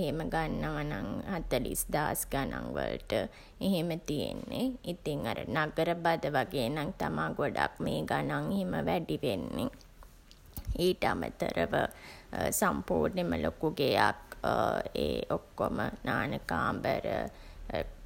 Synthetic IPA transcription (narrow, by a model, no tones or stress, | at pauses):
ɦeməɡanːəʋanaŋhat̪əlḭsd̪aːsɡanʔaŋʋə̰lʈə | eɦemət̪ijenːeit̪iŋaɾənaɡəɾəbad̪əʋaɡeːnaŋt̪amaːɡoɖakmeːɡanaŋeɦiməʋæɖiʋenːe | iːʈəamət̪əɾəʋə | sampuːrneməlokuɡejak | eːʔokːomənaːnəkaːmbəɾə